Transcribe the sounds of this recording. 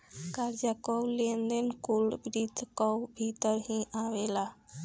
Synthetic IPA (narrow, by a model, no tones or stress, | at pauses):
kaɾd͡ʑakəwlend̪enkulbɾit̪kɔwbʱit̪əɾɦĩʔaʋela